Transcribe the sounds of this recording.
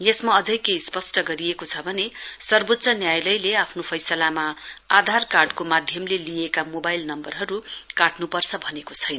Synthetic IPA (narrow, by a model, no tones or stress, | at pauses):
jesmaʌd͡zʌjkejspʌsʈʌɡʌɾiekot͡sʰʌbʱʌnesʌrbot̪ːsʌnjajlʌjleapʰnopʰʌjsʌlamaad̪ʱarkarɖkomad̪ʱjʌmlelijekamobajlnʌmbʌrɦʌɾukaʈnupʌrt͡sʰʌbʱʌnekot͡sʰʌjnʌ